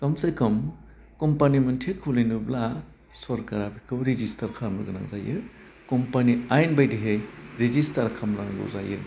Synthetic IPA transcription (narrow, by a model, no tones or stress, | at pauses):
kamsajkʰɯm | kɔmpanimɯntʰekʰulinubla | sɔɾkaɾabʰikʰɯwɾizistaɾkʰaɾmɯ̰ɡɯna̰ŋzajɯ | kɔmpaniajnbajdiɦejɾezistaɾkʰamlaŋɡɯ̰za̰jɯ̰